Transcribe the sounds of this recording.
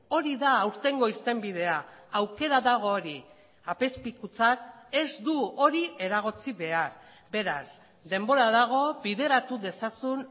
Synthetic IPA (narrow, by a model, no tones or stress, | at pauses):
o̞ɾiðaːwɾt̪e̞ŋɡo̞iɾt̪e̞mbiðe̞aawke̞ɾaðaɣ̞o̞ːɾi | ape̞spikut͡sake̞zd̪uo̞ɾie̞ɾaɣo̞t͡siβe̞aɾ | be̞ɾaz | d̪e̞mbo̞ɾaðaɣ̞o̞βiðe̞ɾat̪uðe̞sasun